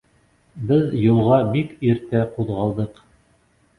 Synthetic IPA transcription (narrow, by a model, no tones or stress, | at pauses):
bɘðjulˠʁɑbikiɾt̪æquðʁɑlˠd̪ɤq